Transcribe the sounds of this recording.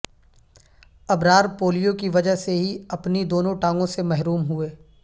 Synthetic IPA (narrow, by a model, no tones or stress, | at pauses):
ɐbɾaːɾpoːlijokiʋɐd͡ʒəɦseɦiɐpnid̪oːnõʈãːŋɡõsemɛɦɾuːmɦueː